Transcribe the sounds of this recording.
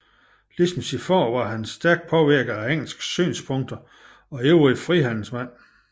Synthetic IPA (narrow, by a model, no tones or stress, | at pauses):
lism̩n̩sifɒ̰ːʋɑ̈ɦænsd̥æɐɡ̥̚pʰɒ̽ʋiɐɡ̥ɐæeŋ̰l̩sɡ̥sy̰ːnspʰɔ̽ŋd̥ɐ | ɒ̽eʊʁifʁiɦæn̰l̩smæn̰